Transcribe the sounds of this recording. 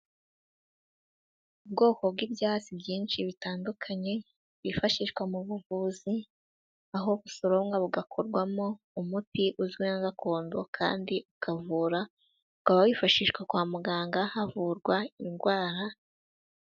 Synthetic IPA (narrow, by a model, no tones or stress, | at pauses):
ub̚ɡo̞ːko̞bɡiːbjaːt͡sibjiːnʃiβitaːndukʰaɲe̞ | βifaʃiʃkwamuβuvuzi | aɦo̞βusoɾo̞ŋɡaβuɡakʰoɾɡwamo̞ | umutiʔuzɡwinaɡakʰo̞ːndokʰa̰ːndiukʰavuːɾa | ukaβawifaʃiʃkwakwaːmuɡaːŋɡahavuɾɡwainɡwaːɾa